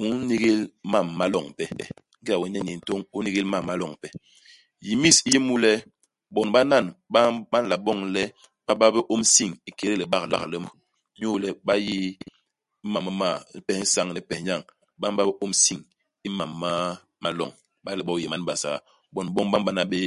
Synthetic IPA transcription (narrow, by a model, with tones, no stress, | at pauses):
u˦ni˦ɡe˦lma˦˨mːa˦lɔ˨ŋpɛ˦˨ | ŋ̩˦i˦a˨wɛ˨˦ɲɛ˦ni˨n̩˨to˦ŋu˦ni˦ɣe˦lma˦˨mːa˦lɔ˨ŋpɛ˨ | ji˨mi˦˨si˦ji˦mu˦lɛ˦ | bɔ˨nba˦na˦˨nba˦a˦n˦la˨ɓɔ˦˨ŋlɛ˦ | b̥a˦ba˦bə˦ʔo˦msi˦ŋi˦ke˨ɾe˦le˨ɓa˦kla̰˦klə˦m˦ | ɲo˦lɛ˦ɓa˦ji˦ | ma˨mə˦ma˦˨˦pɛ˨hn̩˦sa˦ŋnɛ˦pɛ˨ɲa˦˨ŋ | ɓa˦m˦ba˦be˦ʔo˦msi˦˨ŋ | i˦ma˨mːa˦ | ma˦lɔ̰˨ŋ | ɓa˦lɛ˨ɓɔ˦˨je˨ma˨˦n˦ɓa˨sa̰˨ | bɔ˨n˨ɓɔ˦ŋba˦mɓa˦na˨ɓe˦